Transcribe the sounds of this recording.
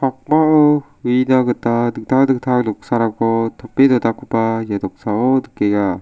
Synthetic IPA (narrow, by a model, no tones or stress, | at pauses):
pʰak̚maɯ | winaɡɯtadɯk̚t̪ʰadɯk̚tʰalɔk̚saɾaɡɔtʰɔpːedɔdakʰɯpajadɔk̚saɔdɯkeɡa